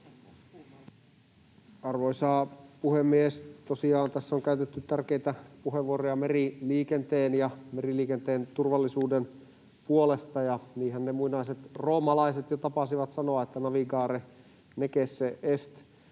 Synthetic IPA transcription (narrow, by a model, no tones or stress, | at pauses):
ɑrʋoisɑːpuhemːiest̪osiɑːnt̪æsːoŋkæyt̪et̪ːyt̪ːærkeit̪æpuɦeʋːuorojɑmeriliːkent̪eːnjɑmeriliːkent̪eːnt̪urʋɑlːisuːden | puolest̪ɑjɑniːɦænnemuinɑiset̪ro̞ːmɑlɑiset̪jɑt̪ɑpɑsiʋɑt̪sɑnoɑet̪ːænɑʋiɡɑːɾe | nekesːeʔest̪